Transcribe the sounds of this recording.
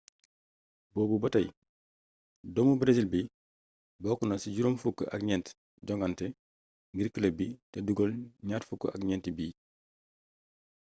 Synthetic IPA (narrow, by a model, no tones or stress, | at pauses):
bɔːbubɔtɐj | dɔmubɾezilbi | bɔkunasiɟuɾomfukːəʔa̰kɲɛnt | ɟɔŋɡantɛ | ŋɡiɾkːəlɐbiːtɛduɡɔlɲaːtfukːəʔakɲɛntibiː